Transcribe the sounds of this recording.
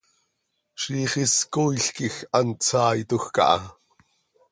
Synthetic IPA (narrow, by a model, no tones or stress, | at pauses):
ʃiχiskojɬkixʔɑnt͡sʰɑːjt̪uxkɑ̰ʔɑ̰